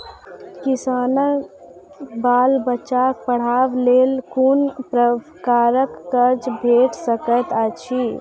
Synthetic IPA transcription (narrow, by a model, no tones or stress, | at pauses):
kisaːnə | baːlbət͡ʃak̚pəɽ̤awlelkunpɾə | kaːɾəkːəd͡ʒbʱeʈsəkət̪at͡ʃʰi